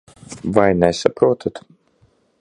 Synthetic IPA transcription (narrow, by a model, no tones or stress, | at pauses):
vajnɛsapɾuɔt̪ʰat̪